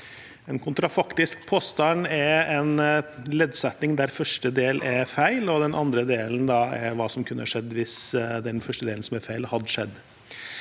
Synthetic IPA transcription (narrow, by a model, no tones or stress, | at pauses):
ɛnkʰʊnt̪ɾɑfɑkt̪ɪskpʰoːst̪ɑnɛɛnleːd̪sɛt̪nɪŋd̪æɾfœʂʈəd̪eːlʔɛfæɪlɔd̪ɛnʔɑnd̪ɾəd̪eːlənd̪ɑɛɾʋɑːsɔmkʰʉnːəhɑʂɛd̪ːʋɪsd̪ɛnfœʂʈəd̪eːlnsɔmɛɾfæɪlhɑd̪ːəʂɛd̪ː